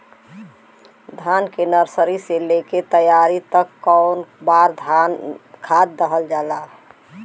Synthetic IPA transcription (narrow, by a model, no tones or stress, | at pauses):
d̪ʱankenəɾsəɾiseleket̪əjaɾit̪əkːɔʊnbaɾd̪ʱankʰad̪̚ːəɦəld͡ʒalaɦ